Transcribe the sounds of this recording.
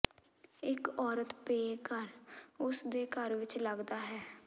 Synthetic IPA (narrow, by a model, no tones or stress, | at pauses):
ɪkɔːɾət̪peːkəɾʊsd̪eːkəɾʋɪt͡ʃləɡd̪aːɦɛː